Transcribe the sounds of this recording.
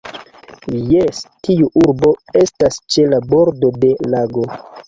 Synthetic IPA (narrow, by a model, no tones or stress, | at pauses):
jestiuʔuɾbo̞e̞stast͡ʃe̞labo̞ɾdo̞de̞laɡo̞